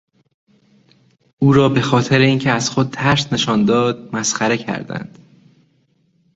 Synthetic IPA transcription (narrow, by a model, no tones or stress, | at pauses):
uːɾɒːbe̞xɒːt̪ʰe̞ɾeiːncʰeæz̥xod̪̚t̪ʰæɾsne̞ʃɒːnd̪ɒːd̪̚mæsxæɾe̞cʰæ̰ɾd̪æ̰nd̪̥